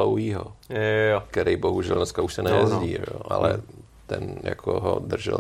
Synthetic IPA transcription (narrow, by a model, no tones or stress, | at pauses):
owɦiːɦo̰ | kt̪ɛɾejboɦuʒɛlnɛskauʃsɛnɛjɛzɟiːoʔa̰lɛ | t̪ɛnja̰kʰoɦo̰d̪r̩ʒɛ̰l